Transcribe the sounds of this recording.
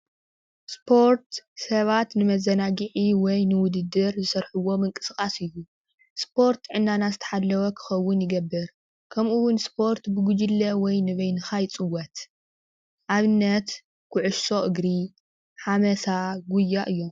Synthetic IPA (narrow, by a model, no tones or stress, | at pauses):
spʰo̞ɾt̪sɐβat̪nɨmɐzɐnaɡɨʕiwɔjnɨwʊd̪ɨd̪ːɨɾzɨsɐɾħuwo̞mɨŋkʼɨ̥sɨkʼasɨjːu | spʰo̞ɾt̪ʕɨnːanazɨt̪ʰɐ̥ħalːɐwɐkʰɨ̥xɐwːʊnjɪɡɐbːɨɾ | kʰɐmʔuwʊnspʰo̞ɾt̪bɨɡud͡ʒɨlːɐwɔjnɨβɐjnɨxajt͡sʼɨwːɐt̪ | ʔaβɨnːɐt̪ | kʰʊʕʊʃso̞ʔɨɡɾi | ħamɐsaɡujːaʔɨjːo̞m